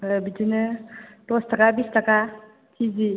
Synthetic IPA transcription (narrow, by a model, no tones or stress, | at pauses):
bitinɯtɔstɐkabistɐka | tʰizi